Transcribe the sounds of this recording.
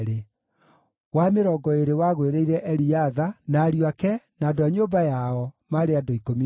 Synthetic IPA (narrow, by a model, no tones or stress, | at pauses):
ɾe | wameɾɔɡɔeɾewaɣweɾeiɾɛʔɛɾiaðanaɾiwakɛnaːdoaɲoːbajaɔmaɾeadoikomi